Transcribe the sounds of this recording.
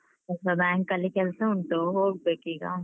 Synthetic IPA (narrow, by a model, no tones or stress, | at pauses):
ɐsabɛ̃ːŋkːɐlikelseʊɳʈoːɦoːʈ̚beːkiːɡa̰ː